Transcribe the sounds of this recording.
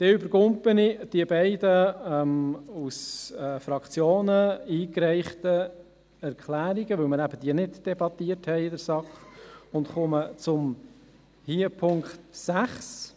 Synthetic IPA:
d̥ɛʏbəɾɡʊmpənid̥iəbæɪdəɛmusɛfɾɑkt͡sjoːnəiːkɾɛɪχtə | ɛɾkʰlæːɾiɡəʋɵwməɾæbəd̥iənɪdd̥ɛbɑt̪iəthɛɪdəɾsɑkχʊntχʊmət͡sʊm | hiːəpʰʊŋkt̪sæχs

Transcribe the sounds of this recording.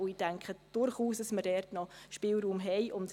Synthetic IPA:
ʊiːdæŋkχəd̥ʊɾχuːsd̥ɑsməɾdɛɾtnɔʃpɪːlɾuːmɦɛjʔʊnt

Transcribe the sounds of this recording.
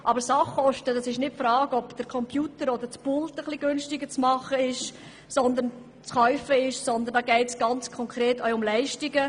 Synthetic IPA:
ʔɑbəɾsɑχɔʃtədɑsɪʃnɪt̚fɾɑːɡɔbd̥əɾkʰɔmpʰjuːtəɾɔd̪ətpultəχliɡʏnʃtɪɡət͡smɑχəɪʃ | sɔnd̪ən | t͡sχœʏfəɪʃsɔnd̪əndɑːɡɛɪtsɡ̥ɑnt͡skʰɔŋkʰɾeːtœʊmlɛɪʃtɪɡə

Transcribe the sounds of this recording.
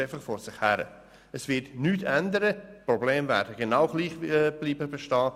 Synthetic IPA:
aɪfəχfɔɾsɪχhæɾə̰ | əsvɪtnyːtʰɛndəɾəprɔbleːmvæ̰ːɾdəɡenaʊɡ̥liːχb̥liːbəbɛʃtɑː

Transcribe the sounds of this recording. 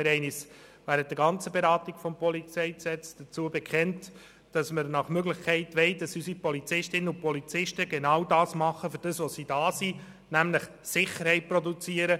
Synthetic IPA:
ɪɾɛɪnisʋæːɾənt̚d̥əɾɡɑnt͡səbeɾɑːtiɡ̥fɔmpɔlit͡sɛɪsɛt͡sd̥ət͡suːəbɛkχɛnt | d̥ɑsməɾnɑχmøɡlɪχkʰɛɪtʋɛɪdɑsysipɔlit͡sɪʃtɪnəʊnpɔlit͡sɪʃtəɡenɑwdɑːsmɑχːəfʏɾd̥əsʋɔsiːdɑːsi | næmləχ | sɪχəɾhɛɪt̚pɾɔdut͡siːəɾə

